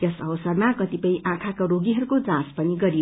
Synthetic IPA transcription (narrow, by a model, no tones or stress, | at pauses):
jʌsʌbʌsʌrmakʌt̪ipʌĩʔãkʰakoɾoɡiɦʌɾukod͡zãspʌniɡʌɾi